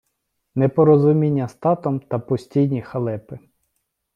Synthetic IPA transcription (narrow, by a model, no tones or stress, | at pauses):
nɛpɔɾɔzʊmʲinʲːɐst̪ɑt̪ɔmt̪ɐpɔsʲtʲijnʲixɐlˠɛpɪ